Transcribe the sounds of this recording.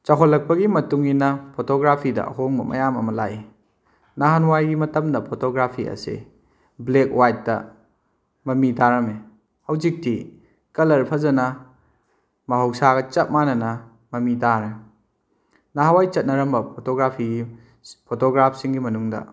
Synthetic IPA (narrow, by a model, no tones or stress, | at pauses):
t͡ʃɐɦolːɐk̚pɐɡimɐtuŋinɐpʰotoɡɾapʰidɐ̰ʔɐ̰ɦoŋbɐmɐ̰jamɐmɐlaji | naɦanwajɡimɐtɐmdɐpʰotoɡɾapʰiɐ̰sḛ | blekwajt̚dɐ̰ | mɐmitaɾɐme | hɐwzik̚ti | kɐlɐɾpʰɐzɐnɐ | mɐɦowsaɡɐt͡ʃɐt̚manɐnɐ | mɐmitaɾe | naɦawajt͡ʃɐt̚nɐɾɐmbɐpʰotoɡɾapʰiɡi | pʰotoɡɾapʰsiŋɡimɐnuŋdɐ̰